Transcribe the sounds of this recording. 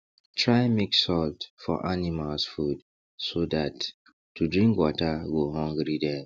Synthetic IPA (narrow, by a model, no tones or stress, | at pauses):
tʰɹaɪmeksɔltfɔ̰ʔanimalsfud | sodatː | udɹĩŋkwɔtaɡoɦɔ̃ŋɡɹidɛ